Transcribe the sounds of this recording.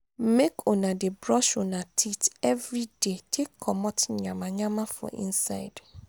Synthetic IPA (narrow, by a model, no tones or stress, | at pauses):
mekʰonãdebɾɔʃonãtʰitɛvɾidetʰekʰːɔmɔtɲãmãɲãmãfɔ̰ʔḭ̃nsa̰ɪd̥